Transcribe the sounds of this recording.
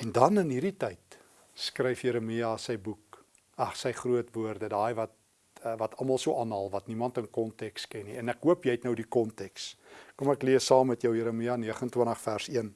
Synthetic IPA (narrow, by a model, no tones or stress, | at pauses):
ɛndɐnənɦiɾitəjt | skrɛjfjiɾəmiɑsəjbuk̚ | ɑχsəjχruətvuərdədɑːjvɐt | vɐtɐlmɐlˠsuəʔɑːnɦɐlˠvɐtnimɐntənkɔntɛkskɛnːiɛnækɦuəpjɛjtnəwdikɔntɛkskomækliəsɑːmːɛtjəwjiəɾəmiɑniəχəntwəntəχfærsiən